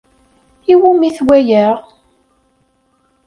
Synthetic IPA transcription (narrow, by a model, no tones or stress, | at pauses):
iwumiθwæjæʁ